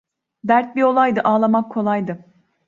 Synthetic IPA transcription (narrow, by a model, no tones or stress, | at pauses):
d̪æɾt̪̚bio̞lˠajd̪ɯʔaːlˠamakʰo̞lˠajd̪ɯ